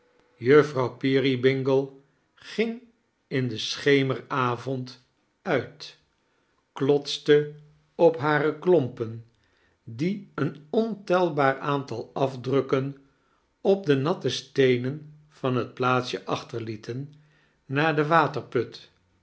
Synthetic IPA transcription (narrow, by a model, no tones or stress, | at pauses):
jɵfrɑwpiːribɪŋɡəlˠ | χɪŋ | ɪndəsχejməraːvɔnt | œɥt | klɔtstə | ɔpɦaːrəklɔmpən | diənɔntɛlˠbaːɹaːntɑlˠɑvdrɵkən | ɔb̚dənɑtəstejnən | v̥ɑnɦət̚plaːtsjəʔɑχtəɹlitʰənː | aːɹdəʋaːtəɹpɵt